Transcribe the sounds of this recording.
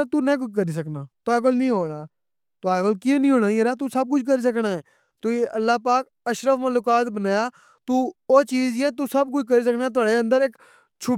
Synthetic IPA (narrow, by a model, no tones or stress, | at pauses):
t̪uːnɛ̃ːk̬ʊt͡ʃk̬əɾiːs̬əknaːt̪ʊaːaːk̬oːlnĩːɦoːnaː | t̪ʊaːkoːlkĩːnĩːɦoːnaːĩːɾaːt̪̬uːsəb̚kʊt͡ʃʰk̬əɾiːs̬əknaːɛː | t̪ʊiːʔəlːaːpaːk | əʃɾəfməlʊːkaːt̪bənaːjaː | t̪uːoːt͡ʃiːzɛ̃ːt̪̬uːsəb̚kʊt͡ʃʰk̬əɾiːs̬əknaːɛːt̪ʊaːɽeːə̃nd̪əɾɪk | t͡ʃʰʊ